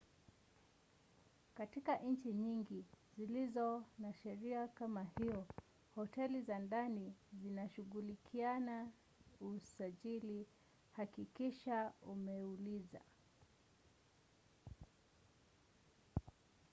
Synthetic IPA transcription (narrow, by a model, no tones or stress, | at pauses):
katikaʔɲ̩t͡ʃiɲiŋɡizilizɔnaʃɛɾiakamahiɔ | hɔtɛlizandanizinaʃuɣulikʰiana | usaʄili | hakikiʃaumɛuliza̰